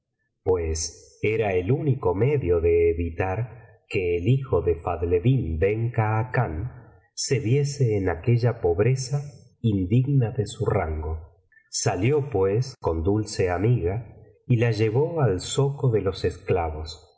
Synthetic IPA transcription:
pwes | eɾaeluniko̞meðjo̞ðe̞ːβit̪aɾ | keːlixo̞ðefaðleðimbeŋkaːkan | se̞βje̞seːnakeʒapo̞βɾesa | ind̪iɣnaðesuraŋɡo̞ | saljo̞pwesko̞nd̪ulseamiɣa | ilaʒe̞β̞oalsokoðelo̞sesklaβo̞s

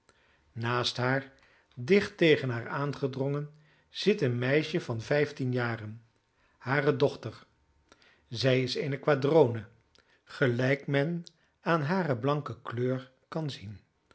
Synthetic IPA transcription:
naːstɦaːɹ | dɪχtejχənɦaːɹaːnχədrɔŋən | z̥ɪtənmɛjʃəvɑnvɛjftinjaːrən | haːrədɔχtəɹ | zɛjɪsejnəkʋaːdrownə | χəlɛjkmɛn | aːnɦaːrəblɑŋkəkløːɹ | kɑnzin

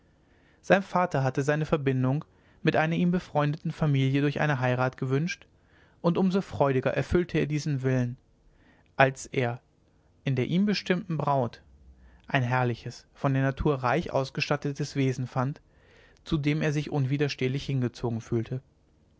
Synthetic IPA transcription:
z̥aɪnfaːtɐɦatəzaɪnəfɛɐbɪndʊŋ | mɪtʔaɪnɐʔiːmbəfʁ̥ɔʏndətn̩famiːljədʊɐçʔa̰ɪnəɦaɪʁaːtɡ̥əvʏnʃt | ʔʊntʔʊmzofʁ̥ɔʏɾɪɡɐʔɛɐfʏltʰəeːɐdiːzn̩vɪlən | ʔalsʔeːɐ | ʔɪndeːɐʔiːmbəʃtɪmtn̩bʁaʊt | ʔaɪnɦɛɐlɪçəsfɔndeːɐnatʰuːɐʁaɪçʔa̰ʊsɡ̥əʃtatətəsv̥eːzn̩fant | t͡sudeːmeːɐzɪçʔʊnviːdɐʃteːlɪçhɪnɡət͡soːɡŋ̩fyːltʰə

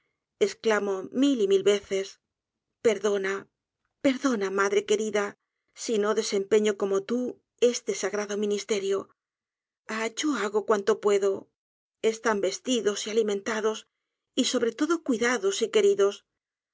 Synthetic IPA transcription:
e̞sklamo̞milimilβe̞θe̞s | pe̞ɾðo̞na | pe̞ɾðo̞namaðɾe̞ke̞ɾiða | sino̞ðe̞se̞mpe̞ɲo̞ko̞mo̞t̪u | e̞st̪e̞saɣɾaðo̞mĩnist̪e̞ɾjo̞ | at͡ʃoaɣo̞kwant̪o̞pwe̞ðo̞ | est̪ambe̞st̪iðo̞sialimẽ̞nt̪aðo̞s | iso̞βɾe̞t̪o̞ðo̞kwiðaðo̞sike̞ɾiðo̞s

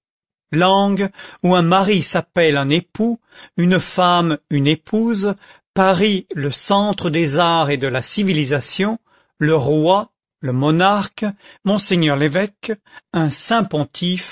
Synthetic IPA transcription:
lɑ̃ɡuɛ̃maʁisapɛlɛ̃nepu | ynfamynepʰuz | paʁiləsɑ̃t̪χəd̪ezaʁed̪əlasivilizasjɔ̃ | ləʁwa | ləmɔnaʁkmɔ̃seɲœʁlevɛkɛ̃sɛ̃pɔ̃t̪ʰif

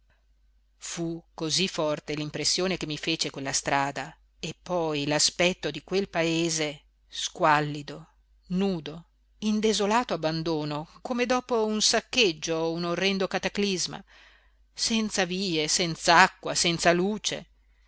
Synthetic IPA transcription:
fukozifːɔrt̪elimpɾesːjoːnekemːifeːt͡ʃekwelːast̪ɾaːd̪a | epːɔjlaspɛt̪ːod̪ikwelpaeːze | skwalːid̪o | nuːd̪o | ind̪ezolaːt̪oabːand̪oːnokomed̪ɔːpounsakːed͡ʒːounorːɛnd̪okat̪aklizma̰ | sɛnt̪saviːesɛnt̪saakːwasɛnt̪saluːt͡ʃḛ

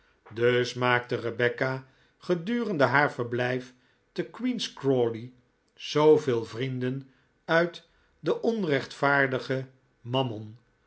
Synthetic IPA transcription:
døsmaːk̚tərəbɛka | χədyːrəndəɦaːɹvəɹblɛjf | təkwinskrɔli | z̥owvɪːlˠvrindən | œɥt | dəʔɔnrɛχtfaːɹdəχə | mɑmɔn

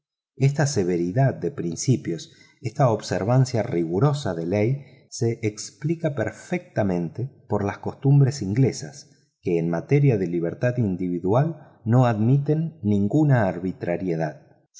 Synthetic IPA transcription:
est̪aseβe̞ɾiðað̚d̪e̞pɾinsipjo̞s | est̪ao̞βseɾβ̞ansjariɣuɾo̞saðelej | se̞ʔːksplikapeɾfek̚t̪amẽ̞nt̪epo̞ɾlasko̞st̪umbɾe̞siŋɡle̞sa̰s | keːnmat̪eɾjaðeliβ̞eɾt̪aðind̪iβiðwal | no̞aðmit̪e̞nːĩŋɡunaːɾβit̪ɾaɾjeðað

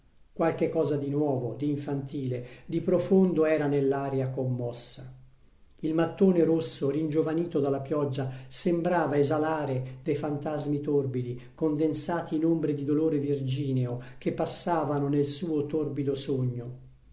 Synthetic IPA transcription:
kwalkekːɔːzad̪inwɔːvod̪iːɱfant̪iːled̪ipɾofond̪oɛːɾanelːaːɾjakomːɔsːa | ilmat̪ːoːneɾosːorind͡ʒovaniːt̪od̪alːapjɔd͡ʒːasembɾaːvaezalaːɾed̪ejfant̪azmit̪orbid̪ikond̪ensaːt̪iːnombɾed̪id̪oloːɾevird͡ʒiːneok̟epːasːaːvanonelsuːot̪orbid̪osoɲːo

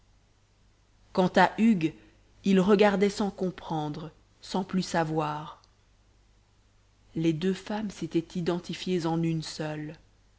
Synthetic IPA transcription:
kɑ̃t̪aʔyɡ | ilʁəɡaʁd̪ɛsɑ̃kɔ̃pχɑ̃d̪ʁə | sɑ̃plysavwaːʁ | led̪øfamset̪ɛt̪id̪ɑ̃t̪ifjezɑ̃nynsœl

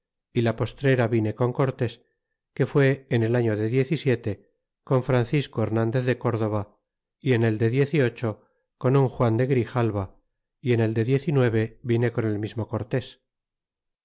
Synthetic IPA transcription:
ilapo̞st̪ɾe̞ɾaβine̞ko̞ŋko̞ɾt̪e̞s | ke̞fwe̞ːne̞laɲo̞ðe̞ðje̞θisje̞t̪e̞ | ko̞ɱfɾanθiskoe̞ɾnãnd̪e̞θðe̞ko̞ɾðo̞β̞a | ie̞ne̞ld̪e̞ðje̞θio̞t͡ʃo̞ | ko̞nuŋxwand̪e̞ɣɾixalβa | ie̞ne̞ld̪e̞ðje̞θinwe̞β̞e̞βine̞ko̞ne̞lmizmo̞ko̞ɾt̪e̞s

